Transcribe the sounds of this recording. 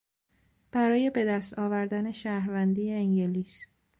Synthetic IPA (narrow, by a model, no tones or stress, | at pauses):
b̥æɾɒːje̞be̞d̪æst̪ʰɒːvæɾd̪æne̞ʃæːhɾvænd̪ieːŋɟeliːs